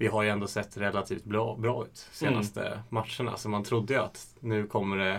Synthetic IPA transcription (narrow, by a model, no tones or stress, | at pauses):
vɪɦaɾjɵɛnd̪oːsɛt̪ːɾɛlːat̪ʰiːft̪̚bɾɑːbɾɑːʉ̟ːt̪seːna̰st̪ʰə̰mat̪ʂəɳa̰sɔmant̪ʰɾʊd̪ːəjɵa̰t̪nʉ̟ːkʰɔmːəɖɛ